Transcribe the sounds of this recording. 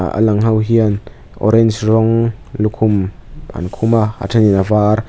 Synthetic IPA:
ə̰laŋɦɐwɦiən | ʔɔ̰ɾɛnsrɔŋlukʰʊma̰nkʰumaa̰tʰaninavaːr

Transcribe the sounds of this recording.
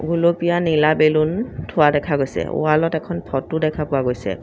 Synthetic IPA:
ɡulopijanilabeluntʰʊwadɛkʰaɡojsɛ̰ṵalɔtɛkʰɔnpʰɔtudɛkʰapʊwaɡojsɛ̰

